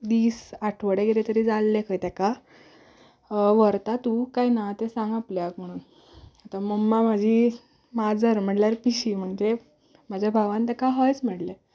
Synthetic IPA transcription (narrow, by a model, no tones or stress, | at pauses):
d̪iːsaʈʰʋəɽeɡeɾet̪əɾid͡zalːekʰəjt̪aka | ʋəɾt̪at̪ũkajnat̪esãŋɡapljakm̤əɽ̃uːn | at̪aməmːamad͡ʑʱi | mad͡zəɾm̤əɽljaɾpiɕiːm̤əɳd͡ze | mad͡ʑʱjabʱaʋãnt̪əkaɦɔjt͡sm̤əɽle